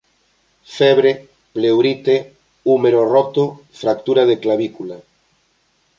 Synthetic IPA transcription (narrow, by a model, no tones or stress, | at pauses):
fɛβɾe | plewɾit̪e | umeɾorɔt̪ʊ | fɾak̚t̪uɾað̞eklaβikula